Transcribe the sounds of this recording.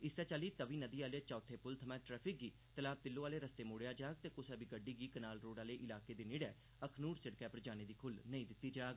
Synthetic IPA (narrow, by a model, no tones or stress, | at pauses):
ɪsɛːt͡ʃaːliːt̪əʋiːnəd̪iːaːlet͡ʃɔːt̪ʰeːpʊlt̪ʰəmɛ̃ːʈɾɛːpʰɪk̚ɡiː | t̪əlaːb̚t̪ɪlːõːaːleːɾəst̪eːmoːɽejaːd͡ʒaːɡ̚t̪eːkʊsɛːbiːɡəɖiːɡiːkənaːlɾoːɽaːleːʔɪlaːkeːd̪eːnɪɽɛː | əkʰnuːɾsɪɽkɛːpəɾd͡ʒaːneːd̪iːkʰʊlnəĩːd̪ɪt̪ːiːd͡ʒaːɡ